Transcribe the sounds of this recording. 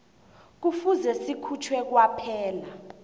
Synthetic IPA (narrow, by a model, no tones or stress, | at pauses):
k̬ufuzɛsikʰut͡ʃʰwɛk̬wapʰɛːla